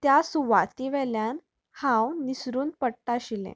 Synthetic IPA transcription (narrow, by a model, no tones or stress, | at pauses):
t̪jasuʋat̪iʋɛljan | hãwnisɾuːnpəɽt̪aɕilḛ̃